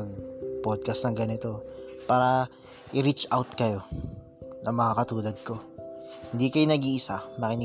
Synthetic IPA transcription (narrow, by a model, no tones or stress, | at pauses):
ɐɡ̚pod̪̚kɐst̪nɐŋɡɐnɪt̪o̞paːɾɐ | ʔɪɾit͡ʃʔawt̪̚kɐjo̞ | nʔɐŋmɐŋakɐt̪uːlɐɡ̚ko̞hɪnd̪ikɐjonɐɡiːʔɪsamɐkɪnɪ